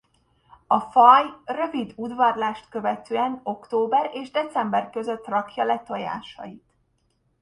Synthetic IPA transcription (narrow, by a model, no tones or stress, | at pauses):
ɒfɒjrø̞vid̪ud̪vɒrlaːʃt̪kø̞vɛt̪øːɛno̞kt̪oːbɛɾeːʒd̪ɛt̪sɛmbɛrkø̞zø̞t̪ːrɒkjɒlɛt̪oja̰ːʃɒ̰jit̪